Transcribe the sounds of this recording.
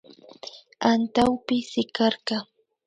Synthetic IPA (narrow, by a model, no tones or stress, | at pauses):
ant̪awpɪsɪkɑɾɢɑ